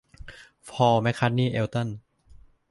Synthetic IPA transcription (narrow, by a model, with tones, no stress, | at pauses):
pʰɔː˧ma˦˥jkʰa˦˥t̪̚niː˥˩ʔe˧wt̪ɤ˥˩˨n